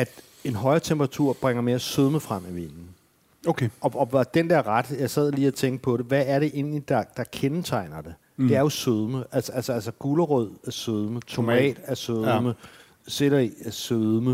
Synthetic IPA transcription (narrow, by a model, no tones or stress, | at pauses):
æd̥ | e̝nɦɒ̽ɪɐt͡sʰemb̥ʁɑ̈t͡sʰuɐ̰b̥ʁaŋ̰ɐmesøð̞ˠməfʁɑm̰iʋenn̩ | okʰɒ̽ɒ̽d̥end̥æɐ̰ʁad̥jɑ̈ɪsɛð̞̰ˠliːæt͡sʰeŋɡ̥əpʰɒ̽ɾ̥e̝ʋæːɐɾe̝ʔe̝n̰lid̥ɑ̈d̥ɑ̈kʰent͡sʰɑ̈ɪ̰nɐd̥e̝ | d̥e̝æɐjo̝søð̞ˠməʔælsəælsəælsəɡ̥uləʁœð̰ˠæɐsøðˠmət͡sʰo̝mɛ̰ːd̥æɐsøðˠmə | selɐiæsøðˠmə